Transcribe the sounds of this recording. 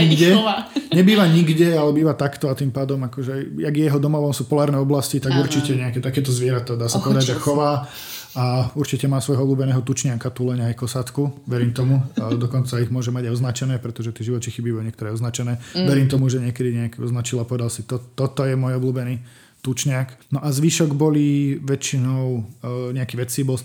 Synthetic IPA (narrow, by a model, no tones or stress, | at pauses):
ɲiɡdɛaɲɛbiːʋaɲiɡɟɛalɛbiːʋat̪akt̪ɔat̪impaːd̪ɔmakɔʒɛjaɡjɛɦɔd̪ɔmɔʋɔmsuːpɔlaːɾnɛːɔblascit̪aɡuɾt͡ʃicɛɲɛakɛːt̪akɛːt̪ɔzʋɪɛɾat̪ɔd̪aːsapɔʋɛd̪aɟʒɛxɔʋaː | auɾt͡ʃicɛmaːsʋɔjɦɔɔbluːbɛnɛːɦɔt̪ut͡ʃɲɪakat̪uːlɛɲajkɔsat̪kuʋɛɾiːmt̪ɔmud̪ɔkɔnt͡saiɣmʊɔʒɛmaɟajɔznat͡ʃɛnɛːpɾɛt̪ɔʒɛt̪ɪɛʒiʋɔt̪t͡ʃixibibɔlɲɛkt̪ɔɾɛɔznat͡ʃɛnɛːʋɛɾimt̪ɔmuʒɛɲɪɛkɛd̪iɲɛakiɔznat͡ʃilapɔʋɛd̪alsit̪ɔt̪ːɔt̪ɔjɛmɔjɔbluːbɛniː | t̪ut͡ʃɲɪaknɔʔazʋiːʃɔɡbɔliʋɛt͡ʃinɔʊɲɛakiʋɛt͡sibɔl